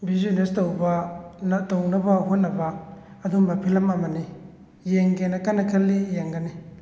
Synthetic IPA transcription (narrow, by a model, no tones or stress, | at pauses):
bizonestowbɐntownɐbɐɦot̚nɐbɐː | dumɐpʰilɐmɐmɐni | jeŋɡenɐkanɐkʰɐlːijeŋɡɐni